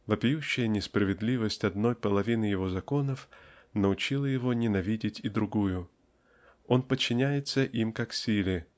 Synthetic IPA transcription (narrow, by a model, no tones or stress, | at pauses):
vəpʲɪjuɕːɪjənʲɪspɾəvʲɪd̪lʲivəsʲtʲɐd̪no̞jpəlˠɐvʲinɨjɪvo̞zɐko̞nəfnəʊt͡ɕilˠəjɪvo̞nʲɪnɐvʲidʲɪtʲɪd̪ɾʊɡujʊ | o̞npət͡ɕːɪnʲæjɪt̪səʔimkaksʲilʲɪ